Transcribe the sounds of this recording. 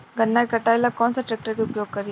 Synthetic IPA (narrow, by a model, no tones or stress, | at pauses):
ɡʱənːakəʈajlakɔnsaʈɾɛk̚ʈəɾkiʊpjoɡ̚kəɾi